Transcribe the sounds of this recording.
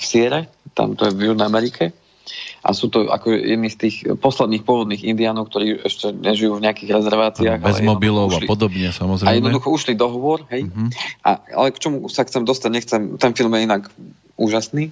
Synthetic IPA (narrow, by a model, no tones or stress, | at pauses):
fsɪɛɾɛ | t̪a̰mt̪ɔjɛvjuʒnɛamɛɾikʰɛ | ʔa̰suːt̪ɔa̰kɔʒɛ̰jɛ̰d̪niːst̪iːxpɔslɛd̪niːxpʊɔʋɔd̪niːɣind̪iaːnɔʊkt̪ɔɾiːɛʃcɛɲɛʒijuːvɲɛakiːɣɾɛzɛɾʋaːt͡siaːɣalɛzjɛmɔbilɔalipɔd̪ɔbɲɛsamɔzɾɛajɛd̪nɔd̪uxɔuʃlid̪ɔɦɔʋʊɔɾɦɛjʔa̰a̰lɛkt͡ʃɔmusaxt͡sɛmd̪ɔst̪aɟɲɛxt͡sɛmt̪ɛnfilmjɛinak | uːʒasniː